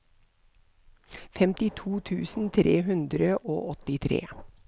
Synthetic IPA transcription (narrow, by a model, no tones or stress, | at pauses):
fɛmt̪ɪt̪ʰuːt̪ʰʉːsn̩t̪ʰɾeːɦʉnd̪ɾəʔo̰ːʔɔt̪ɪt̪ʰɾḛː